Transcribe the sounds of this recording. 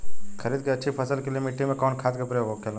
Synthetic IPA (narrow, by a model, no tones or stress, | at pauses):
kʰəɾiːd̪̚keɐtːʃʰipʰəsəlkeliemɪʈːimẽkɔːnkʰaːt̪kɐpɾeʋokʰelõ